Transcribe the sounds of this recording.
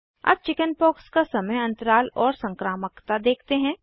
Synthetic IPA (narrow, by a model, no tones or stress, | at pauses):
ɐ̰b̚t͡ʃɪkənpɔːkskasɐməjɐ̃nt̪əɾaːlɔːɾsɐ̃ŋkɾaːməkt̪ad̪eːkʰt̪eɦɛ̃ː